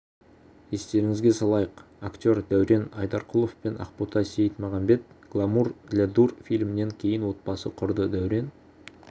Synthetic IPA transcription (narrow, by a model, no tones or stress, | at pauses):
e̞st̪e̞ɾɪŋɪzɡʲe̞sɑlˠɑjəqakt̪ʲo̞ɾd̪æwɾe̞nɑjd̪ɑɾqʰʊlˠofpenɑ̰qput̪ʰɑsejət̪mɑʁɑmbe̞t̪̚ɡ̥lˠamurɡlʲad̪urfijlʲmɪne̞ŋkʲʰe̞jɪnwo̞t̪̚bɑsəqʰʊɾd̪əd̪æwɾe̞n